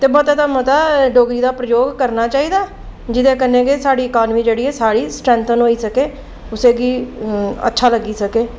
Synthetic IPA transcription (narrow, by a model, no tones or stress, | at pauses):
t̪eːbɔːt̪ãːt̪aːmət̪aːɖoːɡɾiːd̪aːpɾəjoːɡkəɾnaːt͡ʃaːiːd̪aː | d͡ʒɪd̪ẽːkənːẽːɡeːsaːɽiːɪkaːnmiːd͡ʒeːɽiːɛːsaːɽiːsʈɾɛ̃ːnt̪ənɦoːiːsəkeː | ʊseːɡiːə̰tːʃʰaːləɡiːsəkeː